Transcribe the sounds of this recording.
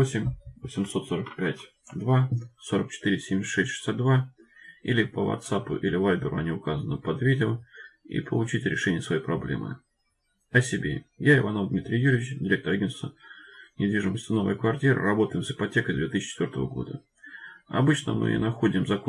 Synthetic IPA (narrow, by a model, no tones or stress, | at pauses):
osʲɪmʲvəsʲɪmso̞t̪so̞ɾəkpʲætʲ | d̪vaso̞ɾək̚t͡ɕɪ̥t̪iɾʲɪsʲemʲʂɛsʲtʲʂɨ̥sʲat̪̚d̪va | ilʲɪpəvɐ̰t̪sapʊ̰ʔilʲɪvalʲbʲɪɾʊɐnʲiʊkazənəpɐd̪vʲidʲɪəḭpʰəlˠʊt͡ɕitʲɾʲɪʂɛnʲɪjəsvɐjejpɾɐblʲḛmʔɨ̰ | ɐsʲɪbʲḛjaɪvɐnovd̪mʲit̪ɾʲɪjjːuɾʲɪvɪt͡ɕdʲɪɾʲe̞k̚t̪əɾɐɡʲenst̪vənʲɪd̪vʲiʐɨməsʲtʲɪno̞və̰jkvɐrtʲiɾɨ̰rɐbo̞t̪əjɪmsɨpɐtʲe̞kəjd̪vʲet̪ɨiɕːt͡ɕːɪt̪vʲort̪ə̰vəɡo̞̰d̪ə | ɐ̰bɨt͡ɕnə̰mɨ̰nɐxodʲɪmzɐko